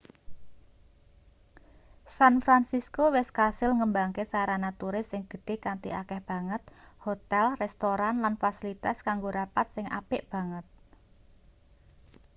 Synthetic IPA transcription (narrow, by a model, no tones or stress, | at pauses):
sanfɾansiskowɛskasɪlŋəmbaŋkesaɾanat̪uɾɪsːɪŋɡ̥ə̥̤ɖ̥e̤kant̪ḭʔakɛhb̥a̤ŋət̪̚hot̪ɛlrɛst̪oɾanlanfasilit̪askaŋɡoɾapat̪̚sɪŋʔa̰pɪʔb̥ä̤ŋət̪̚